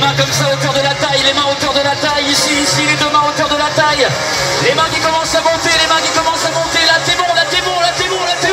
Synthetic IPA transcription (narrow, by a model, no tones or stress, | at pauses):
mɛ̃kɔmsaokœʁd̪əlat̪ajlemɛ̃okʲœʁd̪əlat̪ajisiːsiled̪əmɛ̃okʲœʁd̪əlat̪aj | lemɛ̃kʲikɔmɑ̃samɔ̃t̪elemɛ̃kʲikɔmɑ̃samɔ̃t̪elat̪emɔ̃lat̪emɔ̃lat̪emɔ̃lat̪e